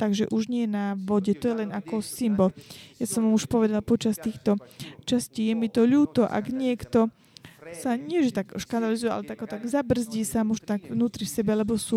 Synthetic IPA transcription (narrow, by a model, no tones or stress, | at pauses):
t̪aɡʒɛʔuʒɲɪɛjɛnaʋɔɟɛt̪ɔjɛlɛnakɔsimbɔljasɔmʋamuʃpɔʋɛd̪alpɔt͡ʃast̪iːxt̪ɔt͡ʃasciːjɛmit̪ɔʎuːt̪ɔʔa̰ɡɲɪɛkt̪ɔ | saɲɪɛʒɛt̪aɡʃkand̪alizujɛʔa̰lɛt̪aɡɔt̪aɡzabr̩zɟiːsamuʒt̪aɡvnuːt̪ɾifsɛbɛlɛbɔsuː